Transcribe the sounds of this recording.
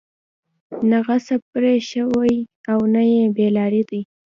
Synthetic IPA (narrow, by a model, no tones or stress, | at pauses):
naɣasap̚ɾeʃəwajawnajebelɑɾid̪i